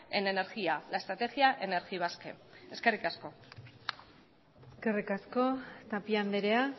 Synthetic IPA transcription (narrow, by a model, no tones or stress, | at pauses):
ene̞neɾɣialaest̪ɾat̪e̞ɣiaʔe̞ne̞ɾɣiβ̞aske̞̰e̞ske̞rikasko̞ | eske̞rikasko̞t̪apiand̪eɾe̞a